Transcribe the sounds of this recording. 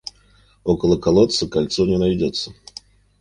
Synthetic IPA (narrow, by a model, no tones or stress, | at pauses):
o̞kəlˠəkɐlˠot̪səkɐlʲt̪sonʲɪnɐjdʲot̪sːə̥